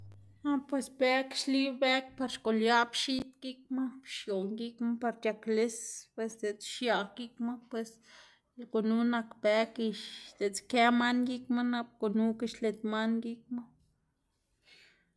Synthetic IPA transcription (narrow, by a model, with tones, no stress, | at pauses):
ha˦pwe˧sbe˦ki̥ʃli˦be˦k̚pa˧ɾʃko˨lja˦bʃi˦t̪ɡ̥i˦k̚ma˦pʃjo˨ŋɡi˦kma˦pa˧ɾt̪ʲja˧kle˦spwe˧sd̪e˨t͡sʃja˧ɡi˦kma˦pwe˨s | lko˨nu˦na˧kbe˧ki˧ʃd̪̥e˨t͡ske˦ma˦nɡi˦kma˦na˧b̚ko˨nu˦ki˧ʃle˧t̪ma˦nɡi˦k̚ma˦